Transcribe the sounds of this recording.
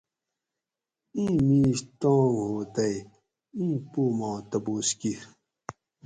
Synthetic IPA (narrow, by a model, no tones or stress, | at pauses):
ĩːmĩːst̪õːŋɦoːt̪ɐj | ĩːpomãːt̪ɐboːski